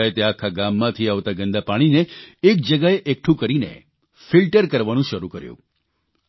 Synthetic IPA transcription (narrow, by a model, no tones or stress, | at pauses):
et̪eakʰaɡamːãt̪ʰiaʋt̪aɡənd̪apaɽ̃ineːk̚d͡ʒəɡaeʔek̚ʈʰũkəɾinḛ | filʈəɾkəɾʋanũʃəɾukəɾjṵ̃